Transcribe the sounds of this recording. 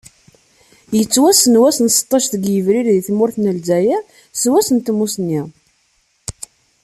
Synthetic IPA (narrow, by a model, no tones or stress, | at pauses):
jət͡sːwæsənwæsənsə̥t̪ˤːɑʃθəɡjəvɾiɾðiθmʊɾθnəlzæjæ | swæsənt̪musnːi